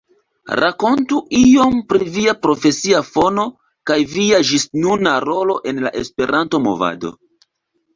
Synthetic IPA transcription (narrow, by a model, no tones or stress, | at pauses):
ɾʔa̰ko̞ntuio̞mpɾiviapɾo̞fe̞siafo̞no̞ | kajviaʒisnunaɾo̞lo̞ʔe̞nlaʔe̞spe̞ɾʔanto̞mo̞̰va̰do̞̰